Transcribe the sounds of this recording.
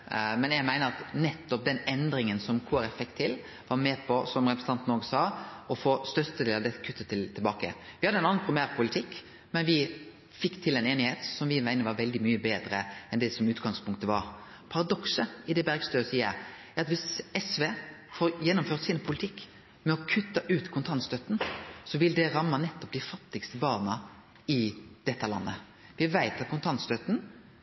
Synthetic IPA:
mɛnjæɪmæɪnəɾɑt̪nɛt̪ːɔp̚d̪ɛnɛnd̪ɾɪŋənsɔmkʰuːɛɾɛfɛkt̪ʰːɪl | ʋɑɾmɛːpʰɔsɔmɾɛpɾɛsn̩ɑnt̪noːɡəsɑːɔfoːst̪œɾst̪əd̪eːlɑʋd̪ɛt̪ːə̥kʰʉt̪ʰːət̪ʰɪlt̪ʰɪlbɑːkə̰ʋɪhɑd̪ːəɛnɑnnpʰɾɪmæːɾpʰʊlɪt̪ʰɪkː | mɛnʋɪ | fɪkːt̪ʰɪlɛneːnɪheːt̪sɔmʋɪmæɪnəʋɑɾʋɛld̪ɪmyːəbeːd̪ɾəɛnd̪ɛsɔmʉːt̪ɡɑŋspʰʊŋk̚t̪əʋɑ̰ɾ | pʰɑɾɑd̪ɔksəɪd̪ɛbæʁɡst̪øːsiːə̰ɾ | æɾɑt̪ʋɪsɛsʋeːfoːɾjɛnːʊmføːʁt̪sinpʰʊlɪt̪ʰɪkː | mɛɔkʰʉt̪ːəʔʉːt̪kʰʊnt̪ʰɑnst̪œt̪n̩sɔʋɪld̪ɛɾɑmːɑnɛt̪ːɔp̚d̪ɪfɑt̪ːɪɡst̪əbɑːʁnə | ɪd̪̥ɛt̪ːəlɑ̰nːə̰ | ʋɪʋæɪt̪ɑt̪̚kʰʊnt̪ʰɑnt̪st̪œt̪n̩

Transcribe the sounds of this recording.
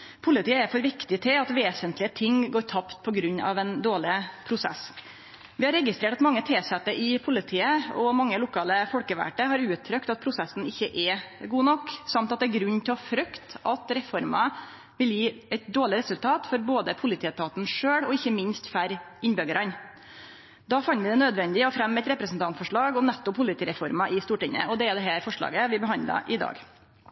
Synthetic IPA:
pʰʊlɪt̪iːəæɾfɔɾʋɪkt̪ɪt̪ʰɪɑt̪ʋeːsənt̪lɪət̪ʰɪŋɡoːɾʈʰɑpt̪̚pʰɔɡɾʉɲːɑ̰ʋɛnd̪oːɭɪpʰɾʊsɛ̰s | ʋɪhɑɾɛɡɪst̪ɾeːʈɑt̪mɑŋːət̪ʰeːsɛt̪ːəʔɪpʰʊlɪt̪ʰiːəɔmɑŋːəlʊkʰɑːləfɔlkəʋæ̰ʈəhɑɾʉːt̪ʰːɾœkt̪ɑt̪̚pʰɾʊsɛsn̩ɪçːəʔɛɡuːnɔkːsɑmt̪ɑt̪d̪ɛæɾɡɾʉnːt̪ʰɪlɔfɾœkt̪ɑt̪ɾɛfɔɾmɑ | ʋɪljiːɛɪt̪̚d̪oːɭɪɾɛsʉlt̪ʰɑːt̪fɔɾboːd̪əpʰʊlɪt̪ʰiːət̪ʰɑːt̪n̩ʂøːɽɔɪçːəmɪnst̪fæɾɪnbœɡəɾɑn | d̪ɑːfɑnːʋɪd̪ɛnøːd̪ʋɛnd̪ɪɔfɾɛmːɛt̪ɾɛpɾəsn̩t̪ɑnt̪fɔʂɭɑːɡɔmnæt̪ːɔpʰʊlɪt̪iːɾɛfɔɾmɑʔɪst̪uːʈɪŋːə̰ʔɔd̪ɛæd̪ɛɦæːɾfɔʂɭɑ̰ːɡəʋɪbəɦɑnd̪lɑ̰ʔɪd̪ɑ̰ːɡ

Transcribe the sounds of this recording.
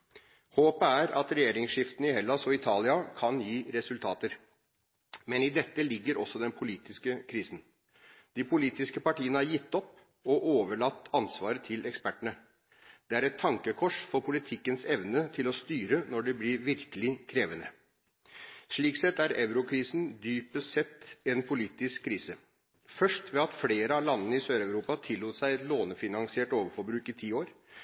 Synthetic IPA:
hoːpəæɾɑ̰t̪ɾɛjeːɾɪŋsʂɪft̪ənəɪhɛlɑsɔɪt̪ʰɑːlɪɑkʰɑnjiːɾɛsʉlt̪ʰɑːt̪əɾ | mɛnɪd̪ɛt̪ːəlɪɡːəɾʔɔsːɔd̪ɛnpʰʊliːt̪ɪskəkʰɾiːsn̩ | d̪̥ɪpʊliːt̪ɪskəpɑʈiːənəæɾjɪt̪ːɔpː | ɔʔoːʋəɭɑt̪ːɑnsʋɑːɾət̪ʰɪlɛkspæʈəɳə | d̪̥ɛæɾɛt̪ʰːɑŋkəkʰɔʂfɔɾpʰʊlɪt̪ʰɪkːənsɛʋnət̪ʰɪlɔst̪yːɾənɔɖɛblɪɾʋɪɾkəlɪkʰɾeːʋənə̰ | ʂɭiːksɛt̪ːæɾɛʊɾʊkʰɾiːsn̩d̪yːpəsɛt̪ːɛnpʰʊliːt̪ɪskkʰːɾiːsə | fœʂʈʋɛɑt̪fleːɾəɑlɑnːənəɪsøːɾæʉɾuːpɑt̪ʰɪlːuːt̪əsæɪɛt̪loːnəfɪnɑŋsɪeːʈoːʋəɾfɔɾbɾʉːkɪt̪ʰiːoːɾ

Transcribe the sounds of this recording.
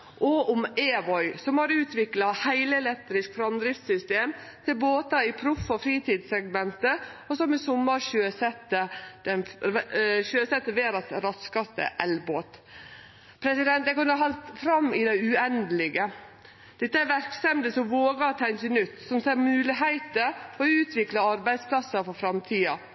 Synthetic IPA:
ʔɔʊmeːʋɔʏsɔmhɑɾʉːt̪ʋɪklɑhæɪləɛlɛt̪ːɾɪskfɾɑmd̪ɾɪft̪sʏst̪eːmt̪ʰɪlboːt̪ɑɪpʰɾʊfːɔfɾiːt̪ʰiːd̪sɛɡmɛnt̪əɔsɔmɪsʊmːɑɾɕøːsɛt̪ːəd̪ɛn | ɕøːsɛt̪ːəʋeːɾɑsɾɑskɑst̪ə̰ʔɛlboːt̪ | pʰɾɛsɪd̪ɛnt̪ɛkɔnːəɦɑlt̪fɾɑmːɪd̪æɪʉɛnd̪əlɪɡə | d̪̥ɪt̪ːəæɾʋæɾkst̪ɛmd̪əsɔʋoːɡɑt̪ʰæɪnçənʉt̪ːsɔmseːɾmʉːlɪɦæɪt̪əɾɔʉːt̪ʰʋɪklɑɑɾbæɪd̪spʰlɑsːɑfɔfɾɑmt̪ʰiːɑ

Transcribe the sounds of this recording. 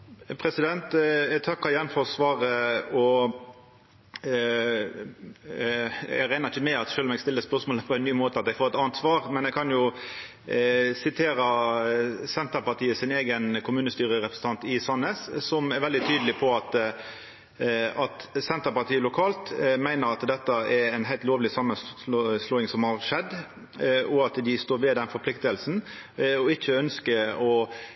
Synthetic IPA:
pʰɾɛsɪd̪ɛnt̪t̪ʰɑkːɑɾjɛnfɔɾsʋɑːɾəɔ | æ̰ɾæɪnɑɾɪçəmɛɑt̪ʃøːlɔmɛɡst̪ɪlːəspœʁsmoːləpʰɔɛɪnːyːmoːt̪əɑt̪d̪ɛɪfoːɾɛt̪ɑnt̪sʋɑːʁmɛnɛɪkʰɑnjʊ | sɪt̪ʰeːɾə | sɛnt̪əpɑʁt̪ʰiːəsɪneːɡənkʰʊmʉːnəst̪yːɾəɾɛpʁ̥əsn̩t̪ʰɑnt̪ɪsɑnəssɔmæɾʋɛld̪ɪt̪ʰyːd̪əlɪpʰɔɑt̪ | ɑt̪sɛnt̪əɾpɑt̪ʰiːəlʊkʰɑːlt̪mæɪnəɾɑt̪d̪ɛt̪ːəɛɾɛɪnɦæɪlt̪loːʋlɪsɑmːəsloːɪŋsɔmhɑʁʂɛd̪ː | ɔɑt̪d̪ɪst̪oːɾʋɛd̪ɛnfɔɾpʰlɪkt̪əlsn | ɔɪçːəœnskəɔ

